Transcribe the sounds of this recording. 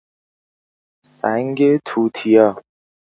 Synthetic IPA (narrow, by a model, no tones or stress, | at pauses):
sæ̰ŋɡet̪ʰuːt̪ʰijɒː